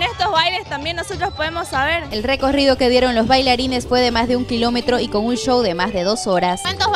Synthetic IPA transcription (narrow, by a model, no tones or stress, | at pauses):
nest̪ozβajlest̪ambjenːosot̪ɾospoðemosːaβeɾe̞lre̞ko̞riðo̞keð̞je̞ɾo̞nlo̞zβajlaɾine̞sfwe̞ðe̞mazðeuŋkilo̞me̞t̪ɾo̞iko̞ŋunʃo̞wðe̞mazðe̞ðo̞so̞ɾaswant̪o